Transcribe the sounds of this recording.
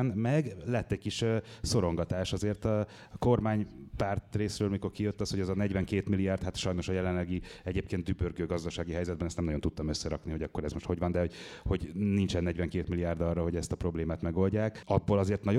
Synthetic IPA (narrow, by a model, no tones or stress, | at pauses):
nmɛɡlɛt̪ːɛcɟ̚kiʃso̞ɾo̞ŋɡɒt̪aːʃɒzeːrt̪ɒ | ko̞rmaːɲpart̪reːsrøːlmiko̞rkijøt̪ːɒsho̞ɟɛzɒnɛɟvɛŋkeːt̪milijaːrt̪hat̪ʃɒjno̞ʃɒjɛlɛnlɛɡiɛɟeːp̚keːnd̪d̪ybørɡøːɡɒzd̪ɒʃaːɡiɦɛjzɛd̪bɛnɛst̪nɛmnɒɟo̞nt̪ut̪ːɒmøsːɛɾɒkniɦo̞ɟɒkːo̞ɾɛzmoʃt̪ho̞ɟʋɒnd̪ɛho̞ɟho̞ɟnint͡ʃɛnːɛɟʋɛŋkeːt̪milijaːrd̪ɒrːɒɦo̞ɟɛst̪ɒpro̞bleːmaːt̪mɛɡo̞lɟaːkɒbːoːlɒzeːrt̪nɒ